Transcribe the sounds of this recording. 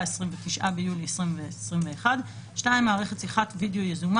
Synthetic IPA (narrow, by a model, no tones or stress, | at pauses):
esʁimvetiʃʔabejuliesʁimvesʁimveːχad | ʃnaimaːʁe̞χett͡siχatvidejo̞jezum